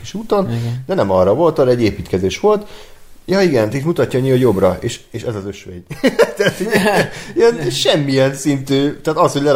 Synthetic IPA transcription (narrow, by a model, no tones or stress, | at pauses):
kiʃuːt̪ond̪ɛnɛmɒrːɒvo̞lt̪ɒɾɛɟːeːpiːt̪kɛzeːʃʋo̞lt̪jɒːiɡɛnt̪it̪mut̪ɒcːɒɲiːɒjo̞brɒeːʃeːʃɛzɒzø̞ʃʋḛɟt̪æt̪iiɛnʃɛmːijɛnsint̪yːt̪ɛːt̪ɒsho̞ɟʲlɛ